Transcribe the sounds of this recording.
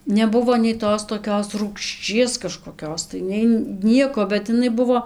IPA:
nʲɛˈbʊʋoː nʲɛɪ ˈtoːs toːˈkʲoːs ruːkʃʲˈt͡ʃʲiɛs kɐʃkoːˈkʲoːs tɐɪ nʲɛɪ ˈnʲiɛkoː bʲɛt ɪˈnɐɪ ˈbʊʋoː

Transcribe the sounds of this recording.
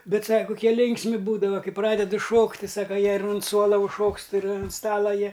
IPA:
ˈbʲɛt ˈsɑːkɐ kʊˈkʲiɛ ˈlʲɪŋksʲmʲɪ ˈbuːdɐʋɐ ˈkɐɪ ˈprɑːdʲɛdʊ ˈʃoːktʲ tʲɪ ˈsɑːkɐ ˈjiɛ ɪr ʊnt ˈsuɔlˠɐ ʊʃˈʃoːkst ɪr ʊn ˈstɑːlˠɐ ˈjiɛ

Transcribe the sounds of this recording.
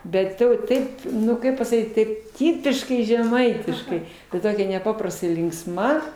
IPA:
ˈbʲɛt ˈtɐʊ ˈtɐɪp ˈnʊ ˈkɐɪp pɐsɐˈkʲiːt ˈtɐɪp ˈtʲɪpʲɪʃkɐɪ ʒʲɛˈmɐɪtʲɪʃkɐɪ ɪ ˈtoːkʲɛ nʲɛˈpɑːprɐstɐɪ lʲɪŋksˈmɐ

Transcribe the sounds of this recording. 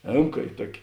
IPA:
ˈeːmkɐ ɪ ˈtuɔkʲɪ

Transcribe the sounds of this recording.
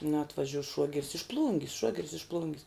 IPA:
nɐ ɐtʋɐˈʒʲuɔs ˈʃuɔɡʲɛrʲɪs ɪʃ ˈplˠuːŋʲɡʲɪs ˈʃuɔɡʲɛrʲɪs ɪʃ ˈplˠuːŋʲɡʲɪs

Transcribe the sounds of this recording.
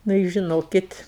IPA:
nʊ ɪ ʒʲɪˈnoːkʲɪt

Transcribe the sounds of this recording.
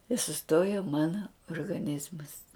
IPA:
ɪ sʊˈstoːjoː ˈmɑːnɐ oːrɡɐˈnʲɪzmɐs

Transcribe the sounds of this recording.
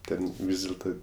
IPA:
ˈtʲɛn ˈʋʲiːs dʲɪlˠˈtɐ

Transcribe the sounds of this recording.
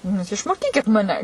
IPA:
nʊ ˈjuːs ɪʃmoːˈkʲiːkʲɪt ˈmɑːnʲɛ

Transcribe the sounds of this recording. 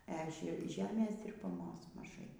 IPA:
ɛ ˈʒʲɛ ˈʒʲæːmʲeːs dʲɪrbɐˈmoːs mɐˈʒɐɪ

